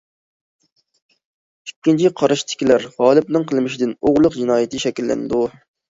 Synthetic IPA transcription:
ykʲːint͡ʃʰiqʰɑɾɑʃt̪ʰɪ̥kʲilæɾʁɑːlˠɨp̚nɨŋqʰəlˠmɪʃid̪ɪnoʁlˠʊqd͡ʒinɑːjit̪ɨʃɛkʲilːɛ̰nɪd̪u

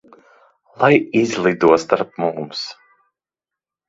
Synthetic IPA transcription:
lˠajizlˠid̪uɔst̪aɾp̚mumms

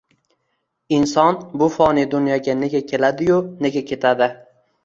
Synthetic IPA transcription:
ɪnsɒnbʊfɒnɪd̪ʊnjɒɡʲane̞ɡʲakʲʰe̞lad̪ɪjʊne̞ɡʲakʲʰe̞t̪ʰad̪ɪ

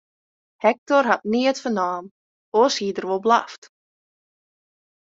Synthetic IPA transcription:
hɛk̚tɔrɦat̚niətfənaːm | oːshiːdərʋolˠbla̰ft

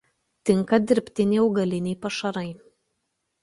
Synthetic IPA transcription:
t̪ʲɪŋˑkɐd̪ʲɪɾʲpʲt̪ʲɪnʲɛːɐʊɡɐlʲɪnʲɛɪpɐʃɐɾɐɪ

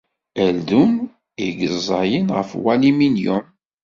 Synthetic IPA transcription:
ælðun | iɡəzˤɑjənʁəfwæliminjʊn

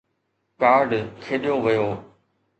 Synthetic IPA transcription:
kaːɾɖkʰeːɗijoːʋəjoː

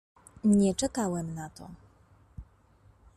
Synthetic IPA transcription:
ɲɛt͡ʂɛkawɛmnat̪ɔ̰

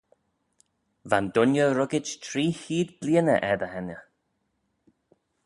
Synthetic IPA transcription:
vand̪ʊnjəɾʊɡɪt͡ʃtʰɾiːhiːd̪bliənə̰ʔɛd̪əhɛnə

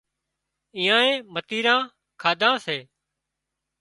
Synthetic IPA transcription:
ĩːãːẽːmət̪iːɾãː | kʰaːd̪ʱãːseː

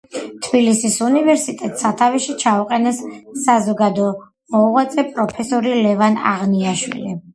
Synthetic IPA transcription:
t̪ʰbilisisunivɛɾsit̪ʼɛt̪ʼsat̪ʰaviʃit͡ʃʰauqʼɛnɛsːazɔɡad̪ɔ | mɔʁat̪sʼɛpʼɾɔpʰɛsɔɾilɛvana̰ʁniaʃwḭli

